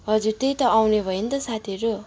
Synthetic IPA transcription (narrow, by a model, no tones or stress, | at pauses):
ɦʌd͡zuɾt̪ejt̪ʌawnebʱʌjint̪ʌsat̪ʰieɾo